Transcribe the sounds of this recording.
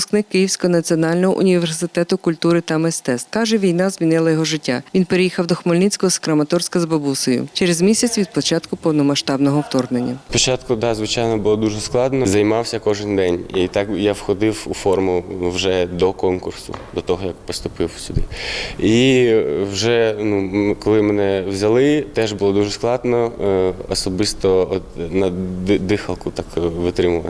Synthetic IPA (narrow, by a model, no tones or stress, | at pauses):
ʊsknɪkːɪjiwsʲkɔɦɔnɐt͡sʲiɔnɑlʲnɔɦɔʔʊ̰nʲiʋʋʲersɪt̪ɛt̪ʊkʊlʲt̪uɾɪt̪ɐmest̪ɛskɑʒɛʋʲijnɑzmʲinɪlˠɐjɔɦɔʒɪtʲːaʋinpeɾejixɐwd̪ɔxmɔlʲnɪt͡sʲkɔɦɔskɾɐmɐt̪ɔrsʲkɐzbɐbusɔjʊ̰t͡ʃeɾezmʲisʲɐt͡sʲʋʲid̪pɔt͡ʃɑt̪kʊpɔwnɔmɐʃt̪ɑbnɔɦɔwt̪ɔrnenʲːɐpɔt͡ʃɑt̪kʊd̪ɑzʋɪt͡ʃajnɔbʊlˠɔd̪uʒɛsklˠɑd̪nɔzɐjmɑwsʲɐkɔʒɪnd̪ɛnʲit̪ɑkjawxɔd̪ɪwufɔrmʊnuwʒɛd̪ɔkɔnkʊrsʊ̰d̪ɔt̪ɔɦɔjɐkpɔst̪ʊpɪwsʲʊd̪ɪi | wʒɛnukɔlˠɪmenɛwzʲɐlˠɪt̪ɛʒbʊlˠɔd̪uʒɛsklˠɑd̪nɔɔsɔbɪst̪ɔɔt̪nɐd̪ɪxɐlˠkʊt̪ɑkʋɪt̪ɾɪmʊʋɐ̰n